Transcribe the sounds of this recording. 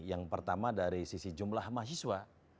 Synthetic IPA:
jaŋpərt̪amadaɾisisid͡ʒumlahmas̬iswa

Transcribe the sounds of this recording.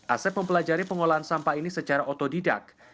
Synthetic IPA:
ʔasɛp̚məmpəlad͡ʒaɾipəŋolaansampainisət͡ʃaɾaʔot̪odida̰k̚

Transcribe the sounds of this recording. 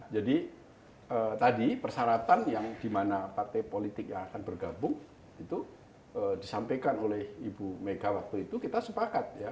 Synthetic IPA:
d͡ʒadi | ət̪adipərsaɾat̪anjaŋdimanapart̪ɛpolit̪ɪk̚jaŋakanbərɡabʊŋ | it̪u | ədisampekanolɛhibumeɡawak̚t̪uit̪ukit̪asəpakat̪̚ja

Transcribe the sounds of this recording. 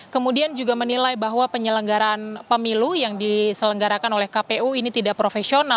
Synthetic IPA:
kəmudiand͡ʒuɡamənilajbaɦwapəɲələŋɡaɾaːnpəmilujaŋdisələŋɡaɾakanolɛhkapeuinit̪idaʔpɾofesiona

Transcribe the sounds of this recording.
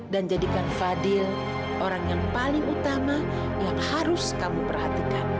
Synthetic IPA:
dand͡ʒadikanfadɪl | ʔoɾaŋjaŋpalɪŋut̪ama | jaŋhaɾʊskamupərhat̪ikan

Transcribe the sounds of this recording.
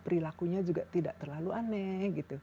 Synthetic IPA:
pəɾilakuɲad͡ʒuɡaʔt̪idaʔt̪ərlaluanɛhɡit̪u

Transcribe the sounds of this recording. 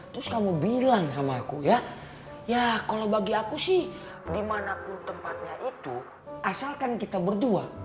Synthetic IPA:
t̪ɾʊskamubilaŋsamaːkuja | jakalobaɡiakusɪh | dimanapʊnt̪əmpat̪̚ɲaʔit̪u | ʔasalkankit̪abərdua

